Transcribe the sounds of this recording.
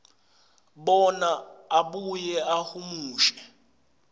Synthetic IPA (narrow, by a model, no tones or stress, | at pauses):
ɓɔnaːɓujɛahumuːʃɛ̥